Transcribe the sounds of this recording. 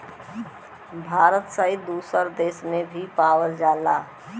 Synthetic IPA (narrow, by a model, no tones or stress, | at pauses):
bʱaːɾət̪səid̪uːsəɾd̪eːsmẽbʱipawəld͡ʒaːla